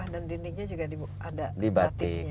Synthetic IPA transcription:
ahdand̪indɪŋ̚ɲad͡ʒuɡadib | adadibat̪ɪ

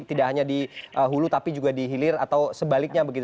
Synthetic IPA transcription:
t̪idaʔɦaɲadiʔəɦulut̪apid͡ʒuɡadiɦilɪra̰t̪awsəbalɪk̚ɲabəɡit̪

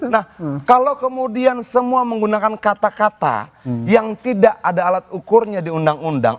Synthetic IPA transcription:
nahkalowkəmudiansəmuaməŋɡunakankat̪akat̪a̰jaŋt̪idaʔadaːlat̪̚ukʊrɲadiundaŋunda̰ŋ

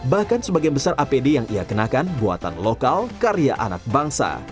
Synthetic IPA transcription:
bahkansəbaɡajbəsarʔapedejaŋʔiakənakanbua̰t̪a̰nlokalkaɾia̰ʔa̰nak̚baŋsa̰

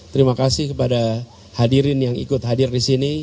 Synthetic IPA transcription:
t̪əɾimakasɪhkəpada | hadiɾɪnjaŋḭkʊt̪̚hadɪrdisini

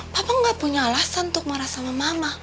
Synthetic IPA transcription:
papaŋɡapuɲalasannt̪ʊk̚məɾasamamama

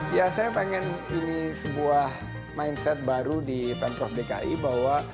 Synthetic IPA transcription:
jasajapeŋɛninisəbuah | mainsɛt̪̚baɾudipɛnt̪ɾɔfdeka̰ʔḭbaɦwa

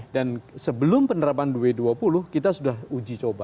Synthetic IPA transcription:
dansəbəlʊmpənəɾap̬andueduapulʊhkit̪asudaɦud͡ʒit͡ʃoba

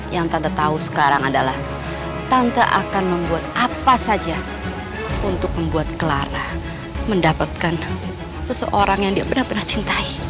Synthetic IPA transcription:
jaŋt̪ant̪at̪ausə̥kaɾaŋadalah | t̪ant̪aʔa̰kanməmbuat̪apasad͡ʒa | unt̪ʊk̚məmbuat̪̚kəlaɾah | məndapat̪̚kan | səsə̰ʔoɾaŋjaŋdiabənarbənart͡ʃint̪ai

